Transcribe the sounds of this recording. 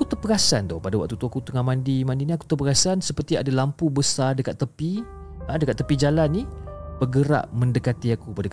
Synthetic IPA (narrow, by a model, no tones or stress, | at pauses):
akut̪əpəɡasa̰nt̪ɔ̰hpadawaʔ̚t̪ut̪uakut̪əŋamandimãndiniaku̥t̪ərpəɡasansəpərt̪ia̰dalampubəsardəkat̪ːəpi | hãdəkat̪ːəpid͡ʒalanːib̥ərɡəɾa̰ʔmə̃ndəkat̪iakupadak